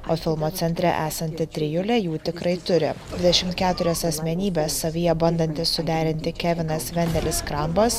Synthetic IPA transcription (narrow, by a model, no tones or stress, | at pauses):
oːfʲɪlˠmoːt̪sʲɛnʲt̪ʲɾʲɛ̰ʔæːsɐnʲt̪ʲɪt̪ʲɾʲɪjʊlʲɛjuːt̪ʲɪkɾɐɪt̪ʊɾʲɪ̰d̪ʲʋʲɪd̪ʲɛʃʲɪmt̪kʲæːt̪ʊɾʲɛsɐsʲmʲɛnʲiːbʲeːsːɐʋʲɪjɛbɐnd̪ɐnʲt̪ʲɪsːʊd̪ʲæːɾʲɪnʲt̪ʲɪkʲæːʋʲɪnɐsʋʲɛnʲd̪ʲɛlʲɪskɾɐmbɐs